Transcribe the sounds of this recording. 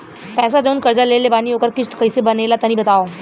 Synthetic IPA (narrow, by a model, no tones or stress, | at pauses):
pɛːs̬ad͡ʒɐʊnkɐɾd͡ʒalelebaːniɦoːkəɾkɪt͡ʃʰt̪kɐisebɐneːlat̪ɐnĩbɐt̪aːoː